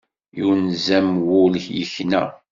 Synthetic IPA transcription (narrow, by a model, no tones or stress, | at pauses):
juwnzæmwʊləçjə̰çnæ̰